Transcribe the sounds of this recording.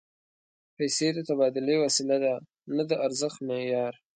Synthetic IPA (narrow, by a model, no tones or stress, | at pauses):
pajsed̪ət̪abɑd̪ʊlewasilad̪a | nad̪əʔaɾzəxt̪mejɑːɾ